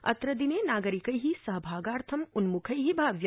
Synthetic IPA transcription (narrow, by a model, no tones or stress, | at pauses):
ɐ̰t̪ɾɐd̪ineːnaːɡəɾikɐjɦisɐɦbʱaːɡaːɾt̪ʰɐmʊnmukʰɐjɦibʱaːʋjɐ